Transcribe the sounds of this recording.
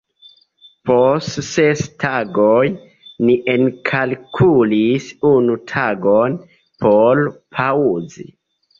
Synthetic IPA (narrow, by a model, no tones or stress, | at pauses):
postsestʰaɡoj | niʔenkʰalkʰulisunutʰaɡon | polpʰauzḭ